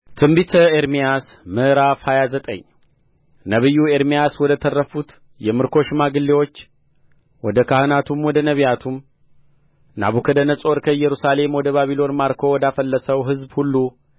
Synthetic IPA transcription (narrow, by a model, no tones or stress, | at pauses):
t̪ʰɨmbit̪ʰəeɾmijas | mɨʔɾafhajazət̪ʼə̰ɲː | nəβɨjːueɾmijaswɔd̪ət̪ʰərːəfut̪ | jɛmɨɾkʰo̞ʃmaɡɨlːewo̞t͡ʃː | wɔd̪əkʰahɨnat̪ʰumwɔd̪ənəβijat̪ʰum | na̰βukʰəd̪ənəsʼo̞ɾkʰəjɛɾusale̞mwɔd̪əβaβilo̞nmaɾkʰo̞wɔd̪afəlːəsəwɦɨzbhulːu